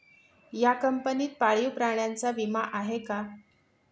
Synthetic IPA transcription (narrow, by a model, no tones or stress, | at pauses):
jakəmpəniːt̪̚paɭiwpɾaɳ̃jant͡saʋimaʔaɦeka